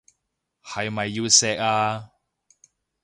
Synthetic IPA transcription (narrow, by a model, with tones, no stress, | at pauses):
hɐ˨jmɐ˨jːiː˧wsɛː˧k̚aː˧